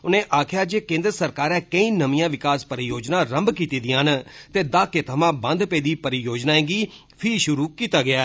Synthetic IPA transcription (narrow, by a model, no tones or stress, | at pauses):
ʊnẽːʔaːkʰjaːd͡ʒeːkẽːnd̪ɾəsəɾkaːɾɛːkəĩːnəmĩjãːʋɪkaːspəɾijoːd͡ʒnaːɾəmbkiːt̪iːd̪ɪ̃ãːɦnt̪eːd̪aːkeːt̪ʰəmãːbənd̪peːd̪iːpəɾijoːd͡ʒnaːẽːɡiː | pʰiiʃʊɾuːkiːt̪aːɡɪjaː